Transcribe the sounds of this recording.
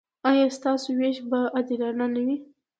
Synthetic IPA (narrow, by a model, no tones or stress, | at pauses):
ɑjɑst̪ɑsoweʃbaʔad̪ilɑnanawi